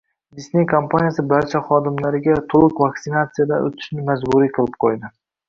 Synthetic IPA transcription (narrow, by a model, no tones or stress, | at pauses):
d̪isnejkʰompʰanijasɪbaɾt͡ʃʰaχɒd̪ɪmlaɾɪɡʲat̪ʰolˠɨqvaksɪnat̪sɨijad̪a̰o̰t̪ʰɪ̥ʃnɪmazbʊɾiqʰɨlˠɪp̚qʰojd̪ɪ